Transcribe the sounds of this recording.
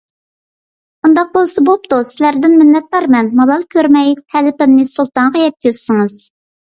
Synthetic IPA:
und̪ɑq̚bolˠsɨbop̚t̪usɪlæɾd̪ɪnmɪnːɛt̪̚lɑɾmɛnmɑlˠɑlˠkʲøɾmɛjt̪ʰɛlɪpɪmnɪsulˠt̪ɑɴʁɑjɛt̪̚kʲøz̥sɪŋɨz̥

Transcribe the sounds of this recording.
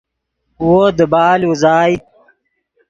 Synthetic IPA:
wod̪əbaːluzaːji

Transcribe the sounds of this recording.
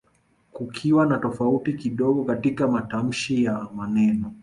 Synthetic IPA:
kukʰiwanatɔfautikiɗɔɠɔkatikamatam̩ʃijamanɛnɔ

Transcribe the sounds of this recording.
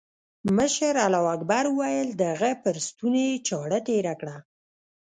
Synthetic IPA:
məʃəɾalɑwakbaɾuwajəld̪əɣəpəɾst̪unet͡ʃɑɽəʈeɾakɽa

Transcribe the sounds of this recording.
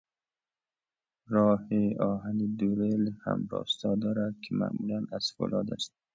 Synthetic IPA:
ɾɔːhiɒːɦanid̪uɾelha̰mbɔ̰st̪ɒd̪ɒɾad̪̚kʰɪma̰ːmulanaz̥fo̰lɒd̪a̰st̪

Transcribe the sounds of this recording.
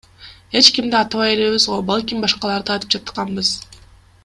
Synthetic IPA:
e̞t͡ʃkimd̪iɑt̪ɑβɑje̞le̞βizʁobɑlˠkʲimbɑʃqɑlˠɑɾd̪ɯɑjt̪ɯ̥p̚d͡ʒɑt̪qɑmbɯz̥

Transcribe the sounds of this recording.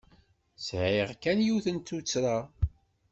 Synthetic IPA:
sʕiʁkænjuθənt̪ːut͡sːɾa

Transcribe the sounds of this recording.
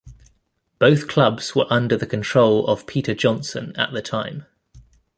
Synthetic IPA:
b̥əʊθkʰl̥ʌbz̥wəɹʔʌ̃ndəðəkʰə̃ntʰɹ̥əʊlə̰v̥pʰiˑtʰəd͡ʒɒ̃nsə̰̃nə̰ʔðətʰãɪ̃m

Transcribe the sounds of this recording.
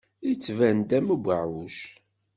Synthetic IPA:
it͡sːvænd̪æmuɡʷəʕuʃ

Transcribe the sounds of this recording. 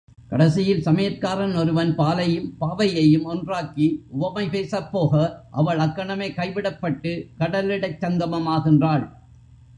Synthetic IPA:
kɐɽɐsɪjɪlsɐmɐjɐtkːaːɾɐnɔɾɯʋɐnpaːlɐjɯmpaːʋɐjɐjɯmɔndraːkiʊʋɐmɐɪpeːsɐpːoːɣɐʔɐʋɐɭɐkːɐɳɐmeːkɐɪʋɪɽɐpːɐʈːɯkɐɽɐlɪɽɐɪt͡ʃːɐnd̪ɐmɐmaːɣɪndraːɭ

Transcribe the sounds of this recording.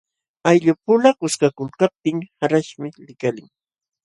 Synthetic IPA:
ajʎʊpʊlakʊskakʊlkap̚t̪ɪŋhaɾaʃmɪlɪkalɪŋ

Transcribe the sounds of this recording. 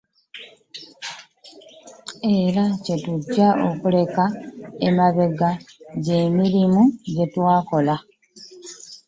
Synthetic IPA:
e̞ɾace̞tuɟːaʔokule̞kaemaβe̞ɡaɟe̞miɾimuɟe̞twaːko̞la

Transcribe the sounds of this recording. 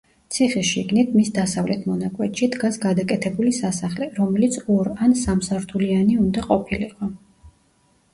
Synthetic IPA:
t̪sʰiχɛʃiɡnit̪ʰmisd̪asavlɛt̪ʰmɔnakʼwɛt̪ʃid̪ɡasɡad̪akʼɛt̪ʰɛbulisasaχlɛɾɔmɛlit̪sʰɔɾansamsaɾt̪ʰulianiund̪aqʼɔpʰiliqʼɔ

